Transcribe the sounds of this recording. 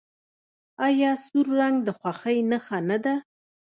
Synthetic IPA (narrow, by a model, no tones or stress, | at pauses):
ajɑsuɾːaŋɡd̪əxwaxəjnaxanad̪a